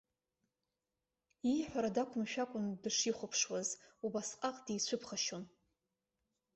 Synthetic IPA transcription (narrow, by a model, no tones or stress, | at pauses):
iħʷᶣaɾadakʷʰʊmʃᶣakʷʼʊndɨʂiχʷʊpʰʂwazubasqʼaqʼd̥ijt͡sʷʰʊpʰχaʃon